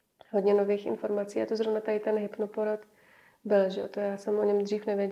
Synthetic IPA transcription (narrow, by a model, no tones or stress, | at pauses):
ɦod̪ɲɛnoviːxʔɪ̰nfo̞ɾmat͡siːat̪ozɾovnat̪adɪt̪ɛnɦɪpnupoɾat̪ | bɪlʒɛot̪ojaːsɛmʔoɲɛmd̪riːfnɛvjɛ